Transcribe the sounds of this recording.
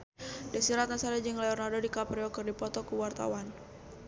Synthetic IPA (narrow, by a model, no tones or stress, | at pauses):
dasiɾat̪̚nasaɾɛd͡ʒəŋlɛɔrnardodikapɾiɔkɨrdipɔt̪ɔkuwart̪a̰wan